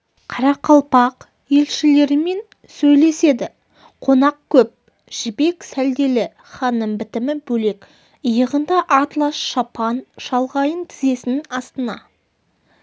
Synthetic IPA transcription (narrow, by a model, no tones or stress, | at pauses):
qʰɑɾɑqʰɑlˠpɑq | je̞lʃɪle̞ɾɪme̞n | sɵjle̞se̞d̪ɪ | qʰo̞nɑq̚kʲʰɵp̚ | ʒ̥ɪbe̞ksæld̪e̞lɪ | χɑnːəmbɪt̪ɪmɪbɵle̞k | əjəʁənd̪ɑʔɑt̪lˠɑsʃɑpʰɑnʃɑlˠʁɑjənt̪ʰɪze̞sɪnɪnɑst̪ənɑ